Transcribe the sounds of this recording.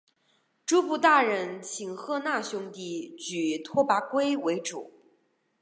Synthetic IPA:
ʈ͡ʂu˥pu˥˧t̪a˥˩ɻə˧˥nt͡ɕʰi˨˩ŋxɤ˥˧na˥˩ɕʊ˥ŋt̪i˥˩t͡ɕy˨˩t̪ʰwɔ˥pa˧˥kwe˥ɪwe˧˥ɪʈ͡ʂṵ˨˩˦

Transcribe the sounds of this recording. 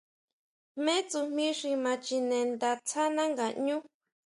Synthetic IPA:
mẽ˦t͡su˧mĩ˦ʂi˧mã˧t͡ʃi˧nẽ˧nd̪a˧t͡sʰa˦nã˦ŋɡa˨ɲũ˦

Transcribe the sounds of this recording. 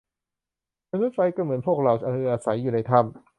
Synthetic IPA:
ma˧nu˦˥t̪̚fa˧jkaː˥˩mɯ˩˦ənpʰu˥˩ək̚ɾa˧˩wa˧ɯː˧˩ʔaː˧sa˨˩˦jːuː˨˩na˧jt̪ʰa˥˩m

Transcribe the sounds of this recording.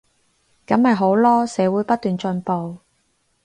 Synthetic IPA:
kɐ˨˥mhɐ˨jɦo˨˥wlɔː˥sɛː˨˧wuː˨˥jpɐ˥t̪̚ːyː˨nt͡ʃɵ˧npo˨w

